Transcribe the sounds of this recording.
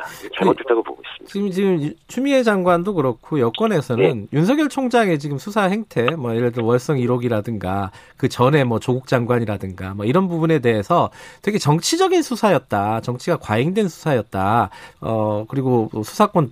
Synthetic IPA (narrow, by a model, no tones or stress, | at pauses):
aoet͈aɡobo̰ɡois͈it͡ɕiɡɯmt͡ɕiɡɯmt͡ɕʰumie̞d͡ʑaŋɡwandokɯɾʌkʰojʌk͈wʌne̞sʰʌnɯnjunsʰʌɡjʌɭt͡ɕʰoŋd͡ʑaŋe̞t͡ɕiɡɯmsʰusʰahe̞ŋtʰe̞mwʌjeɾɯɭdwʌɭs͈ʌŋiɾoɡiɾadɯŋɡa | kɯt͡ɕʌne̞mʌt͡ɕoɡuk̚t͡ɕ͈aŋɡwaɲiɾadɯŋɡamwʌiɾʌnbubune̞de̞ɦe̞sʰʌtwe̞ɡet͡ɕʌŋt͡ɕʰid͡ʑʌɡinsʰusʰajʌt̚t͈at͡ɕʌŋt͡ɕʰiɡakwaeŋdwe̞nsʰu̥sʰajʌt̚t͈aʌkɯɾiɡoʌsʰu̥sʰak͈on